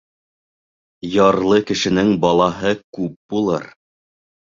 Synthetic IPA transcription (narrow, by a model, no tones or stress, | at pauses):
jɑɾlˠɤkɘ̆ʃɘ̆nɘŋbɑlˠɑɦɤkʉp̚bulˠɤ̰ɾ